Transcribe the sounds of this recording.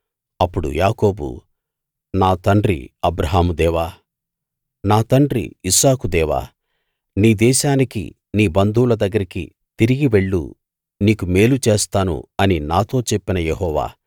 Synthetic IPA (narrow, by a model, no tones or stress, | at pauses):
ɐpːuɽṵjaːko̞ːbṵ | naːt̪ɐɳɖɾḭɐbɾɐɦaːmud̪ɛːʋaː | naːt̪ɐɳɖɾḭisaːkud̪ɛːʋa̰ː | niːd̪ɛːʃaːnikḭ | niːbɐnd̪ʱuːlɐd̪ɐɡːɐɾikḭ | t̪iɾiɡiʋe̞ɭːṵ | niːkume̞ːlut͡ʃe̞ːst̪aːnṵɐninaːt̪o̞ːt͡ʃe̞pːinɐjeɦɔːʋa̰ː